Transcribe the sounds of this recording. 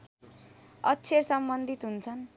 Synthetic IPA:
ʌtːt͡sʰersʌmbʌnd̪ʱit̪ɦunt͡sʰʌn

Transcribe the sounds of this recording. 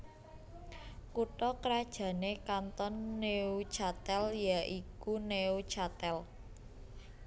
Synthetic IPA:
kuʈɔkəɾad̥ʒ̥ä̤nekant̪ɔnːeut͡ʃat̪ɛljaʔikuneut͡ʃat̪ɛl

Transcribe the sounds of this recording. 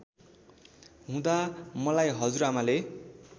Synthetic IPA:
ɦũd̪amʌlajɦʌd͡zuɾamale

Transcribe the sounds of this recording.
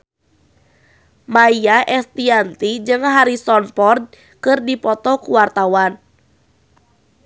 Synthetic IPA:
maiaʔɛst̪iant̪id͡ʒɨŋɦaɾisɔnpɔrd̚ | kɨrdipɔt̪ɔkuwart̪awan

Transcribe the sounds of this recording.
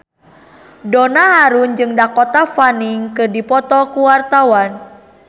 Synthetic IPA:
donahaɾund͡ʒɨŋdakɔt̪afaniŋkɨrdipɔt̪ɔkuwart̪awan

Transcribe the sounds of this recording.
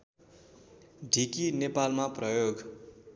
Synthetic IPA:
ɖʱikinepalmaprʌjoɡ

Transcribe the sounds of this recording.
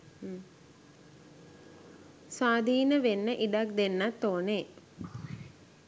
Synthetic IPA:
sʋaːd̪ʱiːnəʋenːəʔiɖak̚d̪enːat̪ːoːne

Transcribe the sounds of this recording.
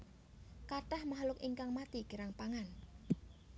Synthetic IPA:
kaʈahmaɦlʊkiŋkaŋmat̪iɡ̥ə̤ɾaŋpaŋan

